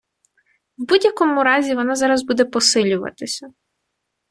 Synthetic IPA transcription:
wbudʲjɐkɔmʊɾɑzʲiʋɔnɑzɑɾɐzbud̪ɛpɔsɪlʲʊʋɐ̰t̪ɪsʲɐ

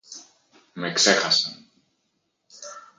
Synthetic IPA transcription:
mekse̞xɐsɐn

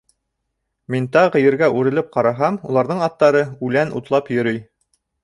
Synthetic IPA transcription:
mint̪ɑʁɤ̆jɘ̆ɾɡæʔʉɾɘ̆lɘp̚qɑɾɑɦɑmulˠɑɾðɤɴɑt̪ːɑɾɤʉlænʔṵt̪lˠɑpjɵ̆ɾɵj

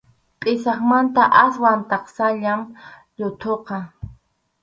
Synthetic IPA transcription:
qʼɪsɑχmant̪aʔaswant̪ɑqsaʎam | ʎʊt̪ʰoqɑ

